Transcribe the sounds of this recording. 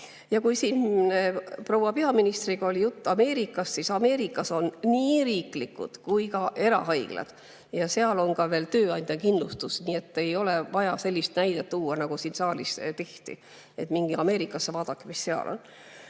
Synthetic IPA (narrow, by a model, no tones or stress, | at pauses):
jɑkujsiːn | pro̞wɑpeɑminist̪riɡ̥ɑolʲijut̪ːɑme̞ːɾikˑːɑssisɑme̞ːɾikːˑɑso̞nːiːɾiːklikːˑṵd̪̥kujkɑʔe̞ɾɑ̰ɦɑjɡ̥lɑ̰d̪̥ | jɑse̞ɑlo̞nkɑve̞ːlt̪øːɑnʲd̪jɑkind̪lust̪usniːe̞t̪ːe̞jo̞levɑjɑse̞lʲːist̪næjd̪et̪ːuːwɑnɑɡ̥usiːnsɑːlist̪e̞ht̪ḭ | et̪miŋɡ̥iɑme̞ːɾikːˑɑsːevɑːd̪̥ɑkːemisːeɑ̰lʔo̰n